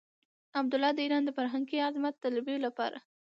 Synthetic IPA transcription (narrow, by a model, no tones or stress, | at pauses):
ab̚d̪ʊlɑd̪əiɾɑnd̪əfaɾɦaŋɡiazmat̪ːalabiolapɑ̰ɾa̰